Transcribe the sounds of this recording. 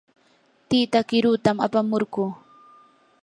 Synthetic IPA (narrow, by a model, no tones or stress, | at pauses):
t̪iːt̪akɪɾʊt̪ama̰pamoɾɢuː